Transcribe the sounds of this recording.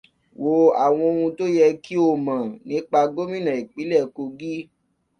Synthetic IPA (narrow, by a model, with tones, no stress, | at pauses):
wo˨a˨w̃ɔ̃˧o˧ũ˧to˦jɛ˧ki˦o˦˨mã˨nĩ˨˦k͡pa˧ɡo˦mĩ˦nã˨i˨k͡pi˨˦lɛ˦˨ko˧ɡi˦